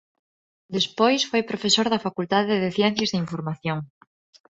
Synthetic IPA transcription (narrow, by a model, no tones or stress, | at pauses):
d̪espojsfojpɾofesoɾðafakult̪aðeðeθjɛ̃n̟θjazðeiɱfoɾmaθjoŋ